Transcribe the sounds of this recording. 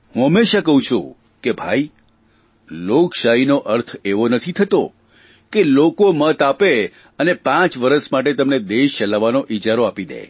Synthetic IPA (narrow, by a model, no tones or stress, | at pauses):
ɦũɦəmːeʃakəɦũt͡ʃʰṵ̃ | kebʱai | lokʃaɦinoʔəɾt̪ʰeʋonət̪ʰit̪ʰət̪o̰ | kelokomət̪ape | ənepãt͡ʃʋəɾəsmaʈ̬et̪əmned̪eʃt͡ʃəlaʋanoʔit͡ʃaɾoapid̪ḛ